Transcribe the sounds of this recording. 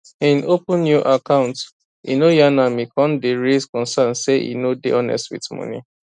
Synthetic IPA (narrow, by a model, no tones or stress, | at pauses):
ĩnopũnːjuʔakãʊ̃nt | ḭnojanamikɔ̃ndeɹeskɔ̃nsãnseḭnodḛʔɔnɛ̰stwḭtmɔ̰̃nḭ